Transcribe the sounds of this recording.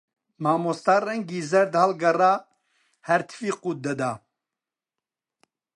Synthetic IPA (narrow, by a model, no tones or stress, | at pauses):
maːmost̪aːrɛŋɡiːzɛɾd̪halɡɐraː | hɛɾt̪ʰfiːquːt̪̚d̪ɐd̪aː